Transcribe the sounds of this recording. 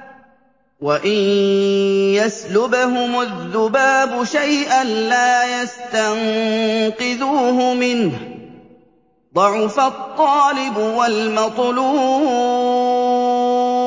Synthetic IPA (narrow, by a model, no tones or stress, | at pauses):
waʔɪn | jaslʊbaɦʊmʊðːʊbaːbʊʃajʔanlaːjast̪anqɨðuːɦʊmɪnh | d̪ˤɑʕʊfat̪ˤːɑːlɪbʊwalmɑt̪ˤluː